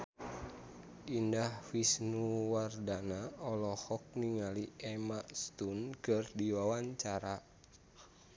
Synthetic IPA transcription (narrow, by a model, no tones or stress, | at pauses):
indahfisnuwardanaɔlɔhɔk̚niŋaliʔɛmaʔst̪unkɨrdiwawaɲt͡ʃaɾa